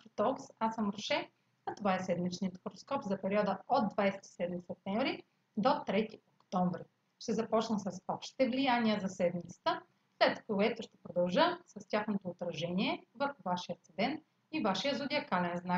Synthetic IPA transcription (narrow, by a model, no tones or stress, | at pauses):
ɾot̪ɔksasəmɾʃɛ | ɐt̪ovaɛsɛd̪mit͡ʃniət̪xoɾoskɔpzɐpɛɾiɔd̪əod̪ːvajsɛ̥t̪i̥sɛd̪misɛp̚t̪ɛɱvɾi | d̪ot̪ɾɛt̪iokt̪ɔɱvɾi | ʃt̪ɛzɐpɔt͡ʃnəsɐsɔpʃt̪i̥t̪ɛvlijanʲiəzɐsɛd̪mit̪sə̥t̪ə | slɛt̪koɛt̪ʊʃt̪ɛ̥pɾod̪ɐlˠʒəsɐst̪ʲaxnot̪oːt̪ɾɐʒɛniɛvəɾxʊvaʃijət̪sɛd̪ɛn | ivaʃijəzod̪ʲiɐkalɛnznak